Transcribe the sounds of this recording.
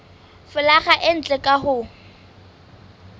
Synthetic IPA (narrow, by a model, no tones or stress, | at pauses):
fʊlaχaʔɪn̩t͡ɬʼɛkʼaɦʊ